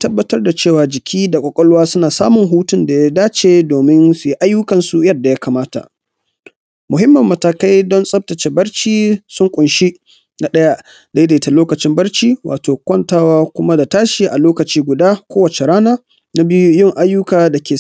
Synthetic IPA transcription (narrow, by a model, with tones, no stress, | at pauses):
tɐ˦bːɐ˦tɐ˦rda˨t͡ʃeː˦˨waː˨d͡ʒɪ˨kʲʰiː˦da˨kʷɔ˨kʼɔ˦lwaː˦sʊ˦naː˨sa̰ː˦mʊ˨ŋɦuː˦tʊ˦nda˨ja˦daː˦t͡ʃeː˨doː˨mɪ˦nsu˨ji˦ʔa˦jːʊ˦kɐ˨nsu˨jɐ˦da˨ja˦kaː˨maː˦ta̰˨ʔ | mʊ˨ɦɪ˦mːɐ˨mːɐ˨taː˨ka˦jdɔ˦nsʼɐ˦p̚tɐ˨t͡ʃe˨bɐ˦rt͡ʃiː˦sʊ˦ŋkʷʼʊ˨nʃi˦ | na˨ɗɐ˦ja˦ | da˦jda˨ta˨loː˦kɐ˨t͡ʃɪ˦mbɐ˦rt͡ʃiː˦wʔa̰ː˨toː˨kʷɔ˦˨ntaː˦waː˦kʷʊ˦ma˦da˨taː˦ʃi˨ʔa˨loː˦kɐ˨t͡ʃiː˦ɡʷʊ˨daː˦kʷoː˦wɐ˨t͡ʃe˨ɾaː˦naː˦ | na˦bi˦ju˦jɪ˦˨ŋʔa˦jːʊ˦kaː˨da˨kʲeː˨